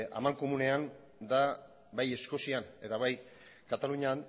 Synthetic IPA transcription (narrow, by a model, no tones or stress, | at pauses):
a̰maŋko̞mune̞an | d̪a | baje̞sko̞siane̞t̪aβaj | kat̪aluɲan